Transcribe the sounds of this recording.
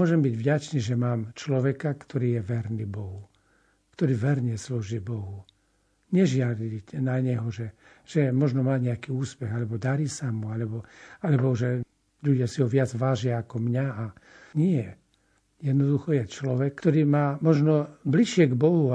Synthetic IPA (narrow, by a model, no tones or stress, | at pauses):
ɔʒɛmbiɟvɟat͡ʃniːʒɛmaːmt͡ʃlɔʋɛkakt̪ʰɔɾiːjɛʋɛɾnibɔɦu | kt̪ɔɾiːʋɛɾɲɪɛsluːʒibɔɦu | ɲɛʒɪad̪icnaɲɛɦɔʒɛ | ʒ̥ɛmɔʒnɔmaːɲɛakiːuːspɛɣalɛbɔd̪aɾiːsamualɛbɔalɛbɔʒɛ | ʎuɟɪasiɦɔʋɪad͡zʋaːʒɪaːkɔmɲaa | ɲɪɛ | jɛd̪nɔd̪uxɔjɛt͡ʃlɔʋɛkt̪ɔɾiːmaːmɔʒnɔbliʃɪɛɡbɔɦu